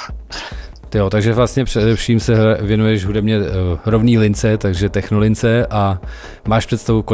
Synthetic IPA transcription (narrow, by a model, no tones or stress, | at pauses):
t̪ɪjot̪aɡʒɛvlast̪ɲɛpr̥ɛdɛfʃiːmsɛvjɛnujɛʃɦudɛbɲɛɾovniːlɪnt͡sɛt̪aɡʒɛt̪ɛxnolɪnt͡sɛʔa | maːʃpr̥ɛt̪st̪avuko